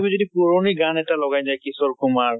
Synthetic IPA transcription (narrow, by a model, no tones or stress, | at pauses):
bizodipuɹoniɡanɛtalɔɡajzajkisɔɹkumaɹ